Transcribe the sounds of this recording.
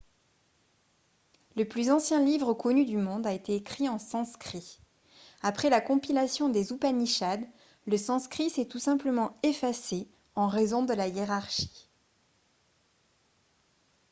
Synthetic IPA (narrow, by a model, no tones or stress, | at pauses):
ləplyzɑ̃sjɛ̃livʁəkɔnyd̪ymɔ̃d̪aet̪eːkχiɑ̃sɑ̃skχi | apχɛlakɔ̃pilasjɔ̃d̪ezupaniʃad̪ | ləsɑ̃skχisɛt̪usɛ̃pləmɑ̃efase | ɑ̃ʁezɔ̃d̪əlajeʁaʁʃi̥